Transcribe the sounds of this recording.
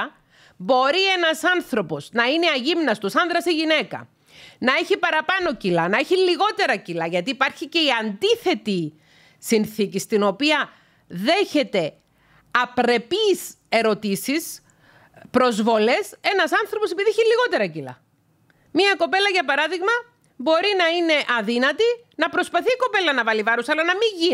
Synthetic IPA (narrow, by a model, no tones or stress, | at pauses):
bo̞ɾie̞nɐsɐnθɾo̞po̞snɐineɐʝimnɐst̪usɐnðɾɐseʝine̞kɐ̰ | nɐeçipɐɾɐpɐno̞cilɐnɐeçiliɣo̞t̪e̞ɾɐcilɐʝɐt̪iːpɐɾçice̞iɐnd̪iθe̞t̪i | sinθicist̪ino̞piɐ | ðe̞çe̞t̪e̞ | ɐpɾe̞pis | e̞ɾo̞t̪isis | pɾo̞zvo̞le̞se̞nɐsɐnθɾo̞pose̞piðieçiliɣo̞t̪e̞ɾɐcilɐ̰ | miɐko̞pe̞lɐʝɐpɐɾɐðiɣmɐ | bo̞ɾinɐine̞ʔɐðinɐt̪i | nɐpɾo̞spɐθiːko̞pe̞lɐnɐvɐlivɐɾusɐlɐnɐmiʝi